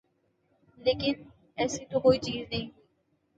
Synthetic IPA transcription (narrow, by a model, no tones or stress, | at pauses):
leːkɪn | ɛːsit̪okoːit͡ʃiːznɐɦĩ